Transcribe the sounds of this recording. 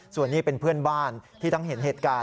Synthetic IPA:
su˨˩ənːiː˥˩pe˧npʰɯ˥˩ənbaː˥˩nt̪ʰiː˥˩t̪ɔ˥˩ŋɦe˩˦nɦeː˨˩t̪̚kaː˧

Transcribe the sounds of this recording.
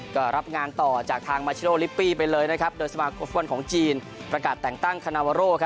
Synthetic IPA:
kɔː˥˩ɾa˦˥p̚ŋaː˧nt̪ɔː˨˩t͡ɕaː˨˩k̚t̪ʰaː˧ŋmaː˧t͡ɕʰi˦˧noː˥˧li˦˥pːiː˥˩pa˧jlɤː˧jna˦˥kʰa˦˥p̚doː˧jsa˧maː˧kʰo˧mfwa˧nkʰɔː˩˦ŋt͡ɕiː˧n | pɾa˧kaː˨˩t̪ːɛː˨˩ŋt̪a˥˩ŋkʰa˧naː˧waː˧ɾoː˥˩kʰa˦˥

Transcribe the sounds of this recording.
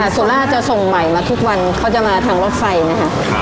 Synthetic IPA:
a˧˩suː˨˩˦nlaː˦˥˨t͡ɕa˨˩so˨˩ŋma˨˩jmaː˧t̪ʰu˦˥k̚wa˧nkʰa˦˥˩wt͡ɕa˨˩maː˧t̪ʰaː˧ŋɾoː˦˥˩t̚fa˧jna˦˥kʰa˦˥ʔ

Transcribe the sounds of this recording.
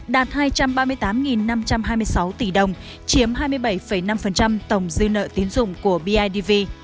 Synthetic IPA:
ɗaː˨˩t̚haː˧jt͡ɕa˧mɓaː˧mɨ˧əjt̪aː˨˦mŋi˨˩nːa˧mt͡ɕa˧mhaː˧jmɨ˧əjsa˨˦wt̪i˧˩ɗə˨˩wŋ͡m | t͡ɕi˨˦əmɦaː˧jmɨ˧əjɓa˧˩jfə˧˩jna˧mfə˨˩nt͡ɕa˧mt̪ə˧˩wŋ͡mzɨ˧nə̰ː˧˨t̪i˨˦nzʊ̰˧˨ŋ͡mku˧˩əɓi˧ʔaː˧jɗi˧vi˧

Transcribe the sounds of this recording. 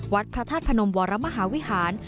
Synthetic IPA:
wa˦˥t̪̚pʰɾa˧t̪ʰaː˥˩t̪̚pʰa˧no˧mwɔː˩˦ɾa˦˥ma˧ɦaː˩˦wi˦˥haː˩˦n

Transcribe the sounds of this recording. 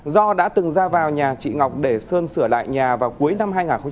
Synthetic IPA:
zɔ˧ɗa̰ː˧˥t̪ɨ˨˩ŋzaː˧vaː˨˩wɲaː˨˩t͡ɕḭ˧˨ŋɔ˨˩wk͡p̚ɗe˧˩səː˧nsɨ˧˩əla̰ː˧˨jɲaː˨˩vaː˨˩wku˨˦əjna˧mɦaː˧jŋaː˨˩nxə˧ŋ͡m

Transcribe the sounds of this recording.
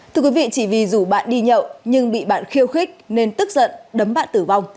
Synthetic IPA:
t̪ɨ˧əkwi˨˦vḭ˧˨t͡ɕi˧˩vi˨˩zu˧˩ɓa̰ː˧˨nɗi˧ɲə̰˧˨wɲɨ˧ŋɓḭ˧˨ɓaː˧˨nxi˧əwxi˦˥k̚ne˧nt̪ɨ˦˥k̚zə̰˧˨nɗə˨˦mɓa̰ː˧˨nt̪ɨ˧˩va˧wŋ͡m

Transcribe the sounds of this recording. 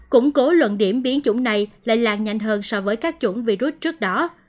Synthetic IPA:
kʊ̰˧˥ŋ͡mko˨˦lwə̰˧˨nɗi˧˩əmɓi˨˦ənt͡ɕʊ˧˩ŋ͡mna˨˩jla̰ː˧˨jlaː˨˩ŋɲa˨˧jŋ̟ɦəː˧nsɔ˧vəː˨˦jkaː˦˥k̚t͡ɕʊ˧˩ŋ͡mvi˧zu˦˥t̚t͡ɕɨ˦˥ək̚ɗɔ˨˦

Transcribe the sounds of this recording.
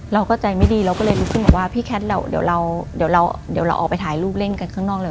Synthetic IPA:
ɾa˧wkɔː˥˩wt͡ɕa˧jma˥˩jdiː˧ɾa˧wkɔː˥˩ɤː˧jɾuː˦˥kʰɯ˥˩nbɛ˨˩waː˥˩pʰiː˥˩kʰɛ˦˥t̪̚lɛː˧˩wdḭ˨˩˦wɾa˧wdi˨˩˦wɾa˧wdi˨˩˦wɾa˧wʔ̚ːpa˧jt̪ʰaː˩˦jluː˥˩p̚le˥˩nka˧nkʰaː˥˩ŋnɔː˥˩k̚ɤː˧j

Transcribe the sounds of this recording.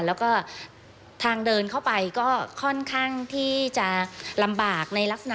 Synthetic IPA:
lɛː˦˥wkɔː˥˩ | t̪ʰaː˧ŋdɤː˧nkʰa˥˩wpa˧jkɔː˥˩kʰɔ˥˩nkʰaː˥˩ŋt̪ʰiː˥˩t͡ɕa˨˩la˧mbaː˨˩k̚na˧jla˦˥k̚sa˧na˩

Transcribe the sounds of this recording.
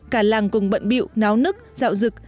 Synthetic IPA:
kaː˧˩laː˨˩ŋkʊ˨˩ŋ͡mɓə̰˧˨nɓḭ˧˨wnaː˨˦wnɨ˦˥ək̚za̰ː˧˨wzɨ˨˩k̚

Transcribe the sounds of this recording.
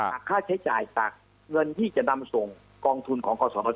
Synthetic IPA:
a˨˩kʰːaː˥˩t͡ɕʰa˦˥jt͡ɕa̰ː˨˩jt͡ɕa̰ː˨˩k̚ | ŋɤ˧nt̪ʰiː˥˩t͡ɕa˨˩na˧mso˨˩ŋ | kɔː˧ŋt̪ʰu˧nkʰɔː˩˦ŋkɔː˧sɔː˩˦ɾɔː˧

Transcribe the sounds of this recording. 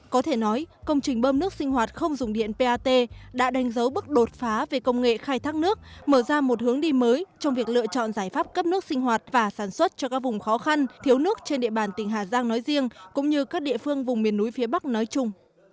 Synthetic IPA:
kɔ˨˦t̪ʰe˧˩nɔ˨˦jkə˧wŋ͡mt͡ɕï˨˩ŋ̟ɓəː˧mnɨ˦˥ək̚sï˧ŋ̟hwaː˨˩t̚xə˧wŋ͡mzʊ˨˩ŋ͡mɗḭ˧˨ənpe˧ʔaː˧t̪e˧ɗa̰ː˧˥ɗa˨˦jŋ̟zə˨˦wɓɨ˦˥k̚ɗo˨˩t̚faː˨˦ve˨˩kə˧wŋ͡mŋḛ˧˨xaː˧jt̪ʰaː˦˥k̚nɨ˦˥ək̚məː˧˩zaː˧mo˨˩t̚hɨ˨˦əŋɗi˧məː˨˦jt͡ɕɔ˧wŋ͡mvi˨˩ək̚lɨ̰˧˨ət͡ɕɔ̰˧˨nzaː˧˩jfaː˦˥p̚kə˦˥p̚nɨ˦˥ək̚si˧ŋ̟ɦwaː˨˩t̚vaː˨˩saː˧˩nswə˦˥t̚t͡ɕɔ˧kaː˦˥k̚vʊ˨˩ŋ͡mxɔ˨˦xa˧nt̪ʰi˨˦əwnɨ˦˥ək̚t͡ɕe˧nɗḭ˧˨əɓaː˨˩nt̪ï˨˩ŋ̟ɦaː˨˩zaː˧ŋnɔ˨˦jzi˧əŋkʊ̰˧˥ŋ͡mɲɨ˧kaː˦˥k̚ɗḭ˧˨əfɨ˧əŋvʊ˨˩ŋ͡mmi˨˩ənːu˨˦jfi˨˦ɓa˦˥k̚nɔ˨˦jt͡ɕʊ˧ŋ͡m

